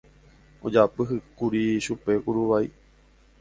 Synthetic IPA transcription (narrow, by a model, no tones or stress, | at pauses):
o̰d͡ʒapɨɦɨkuɾiʃupe̞kuɾuʋai